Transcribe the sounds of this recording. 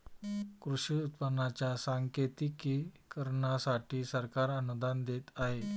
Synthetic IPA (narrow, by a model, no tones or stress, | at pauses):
kɾuɕiut̪̚pənːat͡ɕjasaŋket̪iki | kəɾɳasaʈiːsəɾkaɾənud̪and̪et̪aɦe